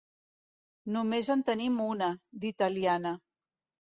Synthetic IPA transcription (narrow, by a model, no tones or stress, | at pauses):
numezənt̪ənimunəd̪it̪əlianə